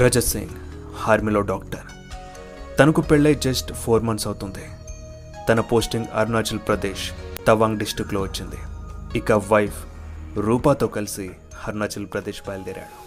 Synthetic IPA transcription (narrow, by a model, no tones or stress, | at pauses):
ɾɐd͡ʒɐsḭŋ | haːɾmiloːɖaːk̚ʈɐɾ | t̪ɐnɐkupeɭːɐjd͡ʒesʈpʰoːɾmɐnsɐwut̪und̪i | t̪ɐnɐpo̞ːsʈiŋɡɐ̰ɾnaːt͡ʃɐlpɾɐd̪eːʃt̪ɐʋaːŋɡɖisʈɾikːlo̞ːʋɐt͡ʃːind̪iikaʋɐjpʰ | ɾuːpaːt̪o̞ːkɐlisi | hɐɾunaːt͡ʃɐlpɾɐd̪eːʃbɐjlɐd̪iːɾa̰ːɽu